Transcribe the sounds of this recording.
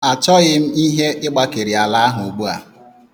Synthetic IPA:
a˨t͡ʃɔ˦ɣɪ˦m̩˦i˦ɦe˦ʔɪ˦ɡ͡ba˦ke˨ɾi˨a˨la˨˦a˦ɦʊ˨u˨ɡ͡bu˦a̰˨

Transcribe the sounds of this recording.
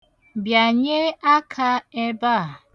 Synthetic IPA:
bja˨ɲe˦a˦kʰa˦e˦ba˦˨

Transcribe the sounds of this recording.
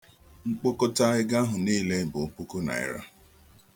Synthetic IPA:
ŋ͡m̩˦k͡po˦ko˦ta˦ɪ˦ɡa˦ɦʊ˨niː˦le˦bʊ˨o˦pu˦ko˦na̰˨ɪ̰˦ɾa̰˦

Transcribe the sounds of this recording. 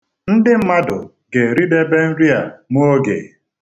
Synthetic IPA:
n̩˦dɪ˦m̩˦ma˦dʊ˨ | ɡe˨ɾi˦de˦be˦n̩˦ɾi˦a˨mu˦o˦ɡḛ˨

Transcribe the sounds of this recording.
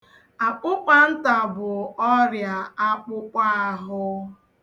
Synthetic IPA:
a˨k͡pʊ˦k͡pa˦n̩˦ta˨bʊ˨ɔ˦ɾja˨a˦k͡pʊ˦k͡pa˦a˨ɦʊ˦

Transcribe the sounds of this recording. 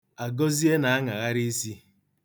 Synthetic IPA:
a˨ɡɔ˦zi˦e˦na˨a˦ŋa˨ɣa˦ɾi˦i˦si˦

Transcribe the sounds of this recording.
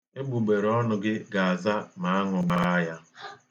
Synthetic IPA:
e˦ɡ͡bu˨ɡ͡be˨ɾɔ˦nʊ˨ɡɪ˦ɡa˨a˨za˦ma˨˦a˦ŋʊ˨ɡ͡ba˦a˦ja˦

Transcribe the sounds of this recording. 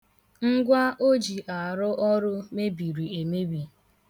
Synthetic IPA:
ŋ̩˦ɡʷa˦ʔo˦d͡ʒi˨ʔa˨ɾʊ˦ʔɔ˦ɾʊ˦me˦bi˨ɾi˨e˨me˦bi˨

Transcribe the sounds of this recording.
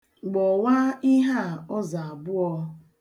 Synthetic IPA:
ɡ͡bɔ˨wa˦i˦ɦa˦˨ɔ˦za˨a˨bʊ˦ɔ˦˧

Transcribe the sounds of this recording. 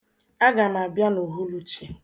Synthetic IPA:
a˦ɡa˨m̩˨a˨bja˦no˨ɦu˦lu˦t͡ʃe˦

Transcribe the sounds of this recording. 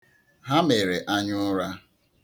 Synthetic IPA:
ɦa˦me˨ɾe˨ʔa˦ɲʊ˦ɾa˦

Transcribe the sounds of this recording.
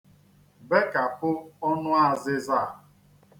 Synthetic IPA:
be˦ka˨pʊ˦ɔ˦nʊ˦a˦˨zɪ˦za˦˨

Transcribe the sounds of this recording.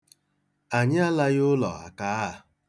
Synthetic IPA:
a˨ɲɪ˦a˦la˦ɣʊ˦lɔ̰˨a̰˨ka˦a˨

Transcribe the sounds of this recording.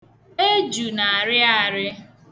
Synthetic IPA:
e˦d͡ʒu˨na˨a˨ɾɪ˦a˦ɾɪ˦

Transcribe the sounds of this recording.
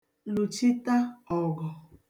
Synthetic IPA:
lu˨t͡ʃi˦ta˦ɔ˨ɡɔ˨

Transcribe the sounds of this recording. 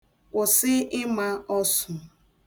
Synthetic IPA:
kʷʊ˨sɪ˦ɪ˦ma˦ɔ˦sʊ˨

